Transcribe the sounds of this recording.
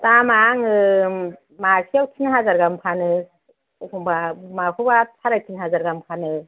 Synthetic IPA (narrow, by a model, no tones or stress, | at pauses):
tamaŋɯ | makʰiawtʰinɦazaɾɡampʰanɯ | kʰɔŋbamakʰubasʰaɾatʰinɦazaɾɡamkʰanɯ